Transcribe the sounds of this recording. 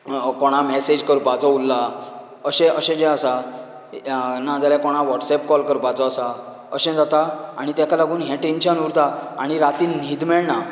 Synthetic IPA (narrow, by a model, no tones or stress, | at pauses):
kɔɽ̃amɛsed͡ʑkəɾpad͡zɔulːa | əɕɛ̃ʔəɕɛ̃d͡ʑɛ̃asa | nãd͡zaljakɔɽ̃aʋɔʈsɛp̚kɔlkəɾpad͡zɔasa | əɕɛ̃d͡zat̪aaɽ̃it̪akalaɡuːnɦɛ̃ʈenɕənuɾt̪aaɽ̃iɾat̪iːnniːd̪mɛɭɳa